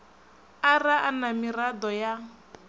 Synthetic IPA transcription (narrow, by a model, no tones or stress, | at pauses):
araʔanamirad̪ɔja